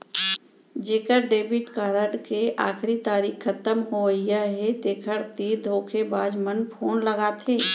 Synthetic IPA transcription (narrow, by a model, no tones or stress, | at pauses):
d͡ʒeːkəɾɖeːbɪʈkaːɾəɖkeʔa̰ːkʰɾit̪aːɾiːkkʰːət̪əmɦoəijaɦet̪eːkʰəɾt̪ed̪ʱoːkʰebaːd͡ʒmənpʰoːnləɡaːt̪ʰeː